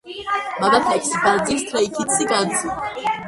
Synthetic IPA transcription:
maɡat̪ʰɛksbad̪zist̪ʰɾaikʰit̪sʰiɡazi

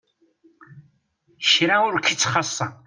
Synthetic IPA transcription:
ʃɾæʊɾkːit͡sːχɑsˤːɑ

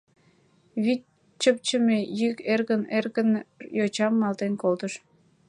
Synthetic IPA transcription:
βi | t͡ɕːəp̚t͡ɕəmejykerɣənerɣənjot͡ɕɑmːɑlt̪enkolt̪əʃ

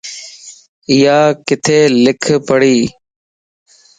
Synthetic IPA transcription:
ɪjaːkɪt̪ʰeːlɪkʰpəɽiː

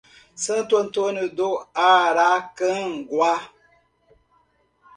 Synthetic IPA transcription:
sɨnton̩tonɨdoaɾakəŋ̩ɡwa

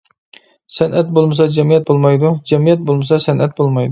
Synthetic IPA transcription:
sɛnʔɛt̪̚bolˠmɨsɑd͡ʒɛmijɛt̪̚bolˠmɑjd̪ʊd͡ʒɛmijɛt̪̚bolˠmɨsɑsænʔɛt̪̚bolˠmɑjd̪ʊ

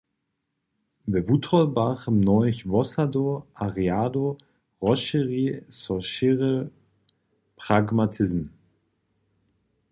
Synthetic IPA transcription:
bɛvutʰʁɔlbaχəmnɔʏçvɔsadoʔaʁiaːdo | ʁɔʃəʁiːsɔʃɪʁə | pʁ̥aɡmatʰɪsm

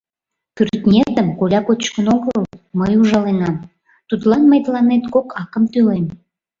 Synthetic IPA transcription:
kyrt̪nʲet̪əmkolʲɑkot͡ɕkənoɣəlməjuʒɑlenɑm | t̪ut̪lɑnməjt̪lɑnet̪kokɑkəmt̪ylem

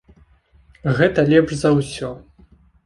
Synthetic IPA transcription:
ɣɛt̪ɐlʲɛpʂzɐwsʲɔ

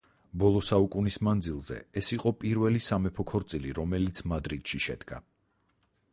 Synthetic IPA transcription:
bɔlˠɔsaukʼunismand̪zilˠzɛ̰ɛsiqʼɔpʼiɾvɛlisamɛpʰɔkʰɔɾt̪sʼiliɾɔmɛlit̪sʰmad̪ɾid̪ʃiʃɛ̰d̪̥ɡa̰

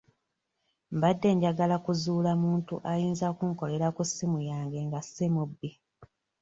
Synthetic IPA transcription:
mbadːe̞ːɲɟaɡalakuzuːlamuːntuʔajiːnzakuŋko̞le̞ɾakusːimujaːŋɡe̞ŋɡasimubːi

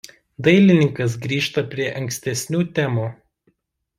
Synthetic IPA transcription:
d̪ɐɪlʲɪnʲɪŋkɐs̬ɡɾʲiːʃt̪ɐpʲɾʲiɛʔɐŋʲksʲt̪ʲɛsʲnʲuːt̪ʲæːmuː

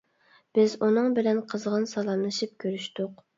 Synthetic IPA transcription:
b̥ɪzunɨŋbɪlɛnqʰəzʁɑnsɑlˠɑmnɨʃip̚kʲʰøɾyʃt̪ʊq

